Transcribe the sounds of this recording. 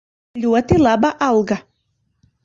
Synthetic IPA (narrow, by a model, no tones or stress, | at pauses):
lʲuɔt̪ʲɪlˠɑːbɑʔɐlˠɡɐ